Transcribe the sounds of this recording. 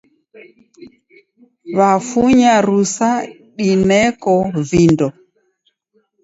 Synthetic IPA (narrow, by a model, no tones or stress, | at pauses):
βafuɲaɾusa | ɗinɛkɔvindɔ